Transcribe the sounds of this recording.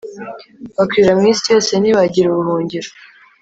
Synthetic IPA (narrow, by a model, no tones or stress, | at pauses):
βakwiɾamŋiːnsijo̞ːse̞niβaɟiɾuβuhuːɲɟiɾo